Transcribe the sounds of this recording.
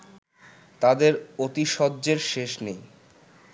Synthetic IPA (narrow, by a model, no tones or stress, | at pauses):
t̪ad̪eɾot̪iʃɔd̪ːd͡ʑeɾʃeʃnej